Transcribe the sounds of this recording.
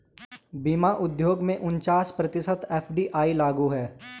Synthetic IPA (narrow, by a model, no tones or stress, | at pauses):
bimaʔʊd̪ʱjoːɡmẽʔʊnt͡ʃaːspɾɐt̪ɪsət̪eːfʰɖiːʔaːilaːɡuɦɛː